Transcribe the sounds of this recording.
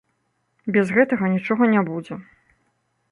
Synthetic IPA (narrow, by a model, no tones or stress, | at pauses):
bʲɛzɣɛt̪ɐɣɐnʲit͡ʂɔɣɐnʲabud͡zʲɛ